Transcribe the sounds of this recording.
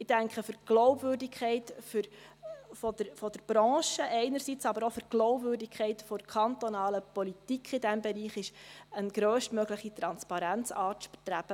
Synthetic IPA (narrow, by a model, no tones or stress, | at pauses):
ɪd̥æŋkχəfʏɾɡ̥lɔʊbvʏːrdikχɛɪtfyɾ | fɔd̪əɾfɔd̥əɾb̥ɾɑ̃ːʃəʔɛɪnəɾsit͡sɑbəɾofyɾɡ̥lɔʊbvʏːrdikʰɛɪtfɔɾkʰχɑntɔnɑːləpɔlit̪ikχɪdæmbɛɾiːχɪʃənɡ̥ɾøːsʃtmœɡləχit̪ɾɑnspɑɾænt͡sɑːtʃpt̪ɾæb̥ə